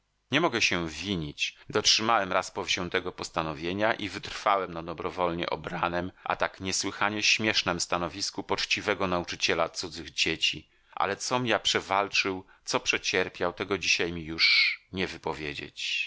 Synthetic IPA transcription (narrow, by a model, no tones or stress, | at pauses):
ɲɛmɔɡɛɕɛvʲiɲit͡ɕd̪ɔtʂɘmawɛmɾaspɔvʑɛ̃w̃t̪ɛɡɔpɔst̪anɔvʲjeɲaʔivɘt̪ɾfawɛmnad̪ɔbɾɔvɔlɲɛ̰ʔɔ̰bɾanɛmʔa̰t̪akɲɛswɘxaɲɛɕmʲjɛʂnɛmst̪anɔvʲiskupɔt͡ʂt͡ɕivɛɡɔnaut͡ʂɘt͡ɕɛlat̪sud̪zɘɣd͡ʑet͡ɕi | ʔa̰lɛt̪sɔmʲjapʂɛvalt͡ʂɘw | t̪sɔpʂɛt͡ɕɛɾpʲjawt̪ɛɡɔd͡ʑiɕajmʲijuʂɲɛvɘpɔvʲjed͡ʑḛt͡ɕ